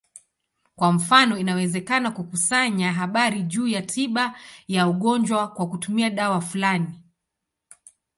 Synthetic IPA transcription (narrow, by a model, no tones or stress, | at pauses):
kwam̩fanɔinawɛzɛkanakukusaɲaɦaɓaɾiʄuːjatʰiɓajauɠɔɲd͡ʒwakwakutumiaɗawafulani